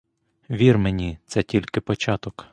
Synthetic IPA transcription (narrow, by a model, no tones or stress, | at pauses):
ʋʲirmenʲit̪sɛtʲilʲkɪpɔt͡ʃɑt̪ɔk